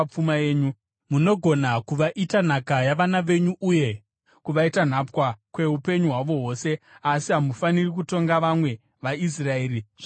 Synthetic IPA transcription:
p͡fumae̞ːɲu | muno̞ɡʱo̞nakuʋaʔitan̤akajaʋanaʋe̞ɲuʔuje̞ | kuʋaitan̤apwakwe̞ɦupe̞ɲuɦwaʋo̞ɦo̞se̞asiɦamufanirik̬uto̞ŋɡaʋamwe̞ | ʋais̬rae̞ːɾiʐ

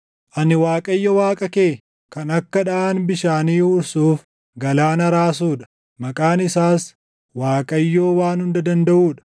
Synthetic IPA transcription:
ʔɐnɪwaːkʼɐjːɔwaːkʼɐkeː | kɐnɐkːɐᶑaaːnbɪʃaːniːʊɾsuːf | ɡɐlaːnɐɾaːsuːᶑɐ̥ | mɐkʼaːnɪsaːs | waːkʼɐjːoːwaːnhʊnd̪ɐd̪ɐnd̪ɐʔuːᶑɐ̥

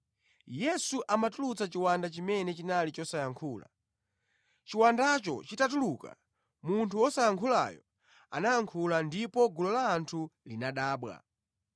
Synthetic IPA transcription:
jɛsuʔamatulut͡sat͡ʃiwandat͡ʃimɛnɛt͡ʃinalit͡ʃɔsajaŋkʰuːla̰ | t͡ʃiwandat͡ʃɔ̰t͡ʃitatuluka̰ | muntʰuɔsajaŋkʰula̰jɔ̰ | a̰najaŋkʰulandipɔɡulɔlaːntʰulinaɗaːɓwa̰

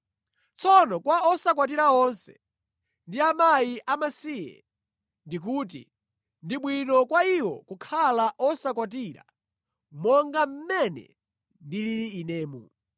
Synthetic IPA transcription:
t͡sɔnɔkwaɔsak̬wat̬iɾaɔnsɛ̰̥ | ndiamajiʔamasijɛ̰ | ndik̬uːt̬ḭ | ndiɓwinɔkwaiwɔ̰kukʰalaʔɔsakwat̬iɾa̰ | mɔŋɡam̩mɛnɛ̰ | ndiliɾiːnɛːmṵ

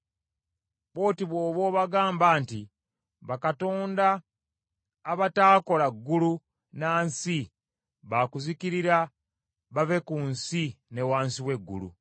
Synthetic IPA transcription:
βo̞ːtiβwo̞ːβo̞ːβaɡaːmbaːnti | βakato̞ːnda | βataːko̞laɡːulu | naːnsi | βakuzikiɾiɾa | βave̞kunsine̞waːnsiwe̞ɡːṵlṵ

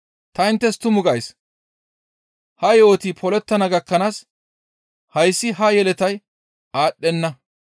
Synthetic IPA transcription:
t̪ɐɪnt̪ːɛst̪ʊmʊɡɐjs | hɐjo̞ːt̪iːpʰɔlɛt̪ːɐnɐɡɐkːɐnaːs | hɐjsːɪɦɐjɛlɛt̪ɐj | aːɗːɛnːɐ

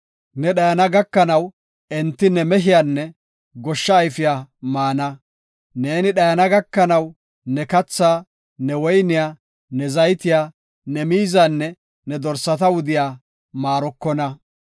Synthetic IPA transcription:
nɛɗɐjɐnɐɡɐkːɐnɐw | ɛnt̪ːɪnɛmɛɦɪjaːnːɛ | ɡɔʃːɐːjfɪjaːmaːnɐ | ne̞ːnɪɗɐjɐnɐɡɐkːɐnɐw | nɛkɐt͡sːaː | nɛwɔjnɪjaː | nɛzɐjt̪ɪjaː | nɛmiːzaːnːɛ | nɛd̪ɔɾsɐt̪ɐwʊd̪ɪjaː | maːɾɔkːɔnɐ

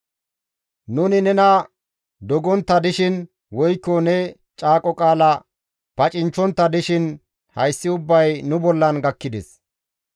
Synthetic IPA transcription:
nʊnɪnɛnɐ | d̪ɔɡɔnt̪ːɐd̪ɪʃɪn | wɔjkːɔnɛ | t͡ʃʼaːkʼɔkʼaːlɐ | pɐt͡ʃʼɪnt͡ʃːɔnt̪ːɐd̪ɪʃɪn | hɐjsːɪʊbːɐjnʊbɔlːɐnɡɐkːɪd̪ɛs

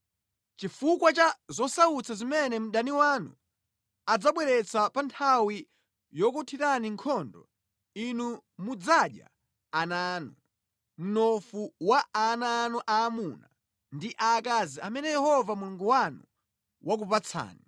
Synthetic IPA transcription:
t͡ʃifukwat͡ʃazɔsaut͡sʰazimɛnɛm̩ɗaniwanṵ | ad͡zaɓwɛɾɛt͡sapantʰawi | jɔkutʰiɾaniŋkʰɔndɔ̰ | inumud͡zaɗja̰ː | naːnu | m̩nɔfuwaanaːnuʔaːmuna | ndiʔakaziamɛnɛjɛhɔvamuluŋɡuwanu | wak̬upat͡sʰa̰ːni

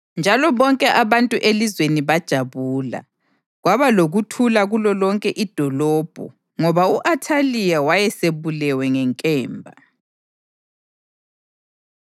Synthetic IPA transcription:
nd͡ʒʱalɔβɔŋkʼɛʔaβantʼuʔelizweniβad̥ʒ̥ʱaβuːla̰ | ɣwaβaloɣutʰulaɣulɔlɔŋkʼɛʔid̥ʱɔlɔːb̥ʱɔ̰ | ŋɔβauʔatʰalijawajɛseβulɛwɛŋɛŋkʼɛːmbʱa̰

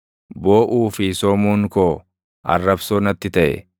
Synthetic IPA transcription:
bo̞ːʔuːfɪsɔːmuːŋkoː | ʔɐ̰rːɐbsoːnɐt̪ːɪt̪ɐʔɛ̰

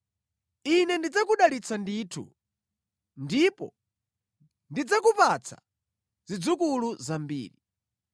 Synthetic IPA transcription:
inɛndid͡zakuɗalit͡sʰandiːtʰṵ | ndipɔ | ndid͡zakupat͡sʰa̰ | zid͡zukuluzambḭːɾi

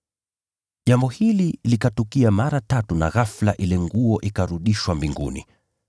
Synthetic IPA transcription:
ʄambɔhililikatukiamaɾatatuna̰ɣaflaʔilɛŋɡuɔʔikaɾuɗiʃwambiŋɡṵnḭ

